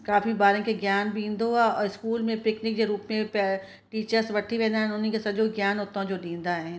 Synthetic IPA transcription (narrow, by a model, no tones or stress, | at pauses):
kaːfʰibaːɾẽkeɡjaːnbʱĩːnd̪oaɔːɾɪskuːlmẽpɪknɪk̚d͡ʒeɾuːpmẽp | ʈiːt͡ʃəɾsʋɐʈʰːibɛ̃ːnaɦɛ̃nonĩkesɐd͡ʒoːɡjaːnɦoːt̪ɦõd͡ʒoːd̪ĩːnd̪aɦɛ